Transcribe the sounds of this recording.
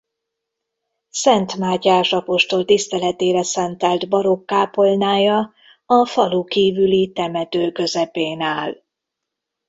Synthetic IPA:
sɛnt̪maːɟaːʃɒpo̞ʃt̪o̞lt̪ist̪ɛlɛt̪eːɾɛsɛnt̪ɛld̪bɒɾo̞kːaːpo̞lnaːjɒ | ɒfɒlukiːvylit̪ɛmɛt̪øːkø̞zɛpeːnaːl

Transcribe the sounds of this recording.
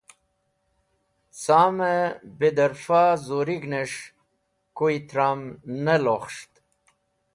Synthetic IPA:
saːmebed̪əɾfazoɾiɡneʂ | kuit̪ɾamnəloχʂt̪

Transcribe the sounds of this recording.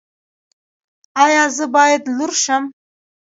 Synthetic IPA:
ɑjɑzəbɑjad̪luɾʃəm

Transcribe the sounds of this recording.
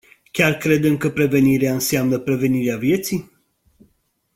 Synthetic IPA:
kʲarkɾe̞d̪emkəpɾe̞ve̞niɾeaɨnseamnəpɾe̞ve̞niɾeavje̞t̪sij

